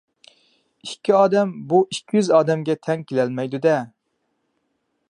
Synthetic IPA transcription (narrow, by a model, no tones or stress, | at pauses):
ikʲːiɑːd̪ɛmbuʔikʲʰːijyzɑːd̪ɛmɡʲɛt̪ʰɛŋkʲʰelælmɛjd̪ud̪ɛ